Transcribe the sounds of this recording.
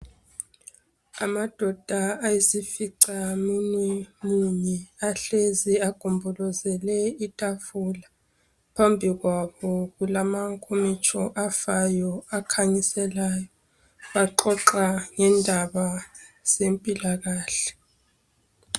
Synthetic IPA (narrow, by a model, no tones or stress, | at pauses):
amad̥ʱɔd̥ʱaːjesifiǀamunwɛmuɲɛaɬeziaɡ̥ʱumbʱɔlɔzɛlɛitʼafula | pʰambʱiɣwaβɔɣulamaŋkʼʰomit͡ʃʼʰɔʔafajɔakʰaɲisɛlaːjɔ | βaǃɔǁaŋɛndʱaβaz̥empʼilaɣaːɬɛ̥